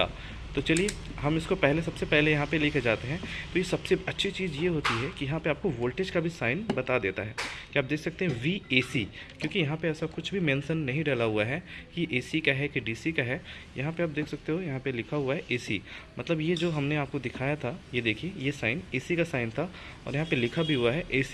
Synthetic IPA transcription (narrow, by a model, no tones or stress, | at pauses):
a̰ː | t̪ot͡ʃɐlie | ɦɐmɪskopɛɦlesɐbsepɛɦlejɐɦãpelɪkʰed͡ʒaːt̪eɦɛ̃t̪oːjesɐbseɐtːʃʰit͡ʃiːzjeɦoːt̪iɦɛkijɐɦãpeaːp̚koʋoːlʈeːd͡ʒkabʱisaːɪnbɐt̪ad̪eːt̪a̰ɦɛːkiaːp̚d̪eːkʰsɐk̚t̪eɦɛ̃ʋiːeːsi | kjõːkijɐɦãpeɛːsakʊt͡ʃʰbʱimẽːnsənːɐɦĩɖɛːlaɦʊaɦɛkiʔeːsikaɦɛkiɖiːsikaɦɛjɐɦãpeaːpd̪eːkʰsɐk̚t̪eɦojɐɦãpelɪkʰaɦʊaɦɛʔeːsḭmɐt̪ləbjed͡ʒoːɦɐmneaːp̚kod̪ɪkʰaːjat̪ʰajed̪eːkʰiejesaːɪneːsikasaːɪnt̪ʰa | ɔ̰ːɾjɐɦãpelɪkʰabʱiɦuaɦɛʔeːsi̥